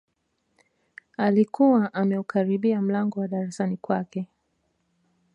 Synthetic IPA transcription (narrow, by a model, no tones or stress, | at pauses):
alikuwaʔamɛukaɾiɓiam̩laŋɡɔwaɗaɾasanikwakɛ